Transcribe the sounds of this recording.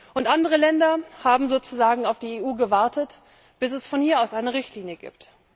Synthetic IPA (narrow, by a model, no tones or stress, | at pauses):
ʔʊntʔandəʁ̞əlɛndɐhaːbm̩zoːt͡suzaːɡŋ̩aʊfd̥iːeːʔuːɡəvaɐtət | b̥ɪsɛsfɔnhiːɐaʊsʔaɪnəʁɪçtliːnjəɡḭːpt